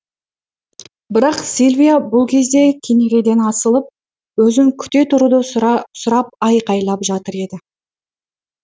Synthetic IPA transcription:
bɪɾɑqsilʲvʲijabʊlˠkʲʰe̞zd̪e̞kʲʰeneɾʲe̞d̪e̞nɑsəlˠəp̚ | wɵzɪŋkʲʰʏ̥t̪e̞t̪ʰʊɾud̪əsʊɾɑp̚ɑjqɑjlˠɑpʒɑt̪əɾe̞d̪ɪ

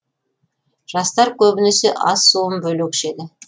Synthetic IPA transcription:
ʒ̥ɑst̪ɑɾkʲʰɵbɪneseʔɑ̰sːoəmbɵlukʲʰʏ̥ʃe̞d̪ɪ

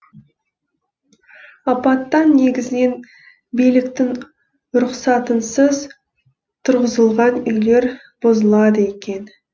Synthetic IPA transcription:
ɑpɑt̪ːɑnːe̞ɡʲɪzɪne̞n | bijlɪkt̪ɪŋ | ɾʊqsɑt̪ənsəz | t̪ʰʊɾʁəzəlˠʁɑnʏjle̞ɾ | b̥ozəlˠɑd̪əekʲe̞n

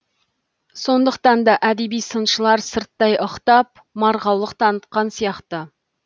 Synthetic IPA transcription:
so̞nd̪əqt̪ɑnd̪ɑʔæd̪e̞bijsənʃəlˠɑɾsəɾt̪ːɑjoqt̪ɑp̚ | mɑɾʁɑwlˠəqt̪ʰɑnət̪qɑnsijɑqt̪ə

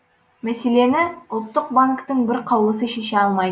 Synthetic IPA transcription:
mæse̞le̞nɪʊlˠt̪ːəq̚baŋkt̪əɴbɪɾqʰɑwlˠəs̬əʃeʃeɑlˠmɑj

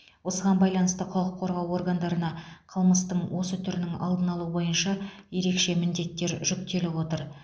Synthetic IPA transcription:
wo̞səʁɑnbɑjlˠɑnəst̪əqʰɑlˠəqʰːo̞ɾʁɑwo̞ɾɡand̪ɑɾənɑqʰəlˠməst̪əɴwʔo̞sət̪ʰʏɾɪnɪŋɑ̰lˠd̪ənɑlˠuəbo̞jənʃɑje̞ɾe̞kʃe̞mɪnd̪e̞t̪ːe̞ɾʒʏk̚t̪e̞lɪwo̞t̪əɾ

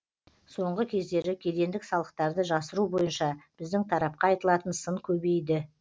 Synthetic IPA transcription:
so̞ɴʁəkʲʰe̞zd̪e̞ɾɪkʲʰe̞d̪e̞nd̪ɪksɑlˠəqt̪ɑɾd̪əʒɑsəɾubo̞jənʃɑb̥ɪzd̪ɪŋt̪ʰɑɾɑp̚qɑɑjt̪əlˠɑt̪ənsəŋkʲʰɵbe̞jd̪ɪ

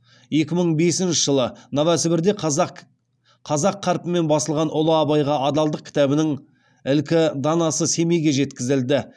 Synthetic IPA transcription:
je̞kʲɪməɴbe̞sɪnʃɪ̥ʒ̥əlˠənɑvæsɪbɪɾd̪e̞ | qʰɑzɑqʰːɑɾpəme̞nbɑsəlˠʁɑnʔʊlˠəɑbɑjʁɑɑd̪ɑlˠd̪əq̚kʰʲɪ̥t̪æbɪnɪŋ | ɪlkʲɪd̪ɑnɑsəse̞me̞jɡʲe̞ʒe̞t̪kʲɪzɪld̪ɪ

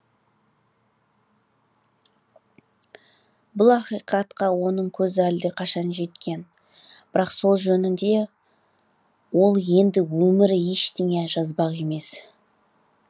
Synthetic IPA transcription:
bʊlˠɑqijqɑt̪qɑwo̞nəɴkʲʰɵzɪæld̪ɪqʰɑʃɑnʒe̞t̪kʲe̞n | b̥ɪɾɑqso̞lˠʒɵnɪnd̪e̞ | wo̞lˠje̞nd̪ɪwɵmɪɾɪje̞ʃt̪eŋe̞ʒɑzbɑʁe̞me̞s

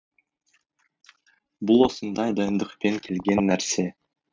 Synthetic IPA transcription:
bulˠwo̞sənd̪ɑjd̪ɑjənd̪əqpe̞ŋkʲʰe̞lɡʲe̞nːæɾse̞

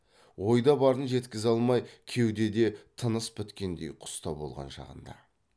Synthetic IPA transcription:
wo̞jd̪ɑbɑɾənʒe̞t̪kʲɪzɑlˠmɑjkʲʰe̞wd̪e̞d̪e̞t̪ʰənəspʰʏt̪kʲe̞nd̪ḛjqʰʊ̥st̪ɑbo̞̰lˠʁɑ̰nʃɑ̰ʁə̰nd̪ɑ̰

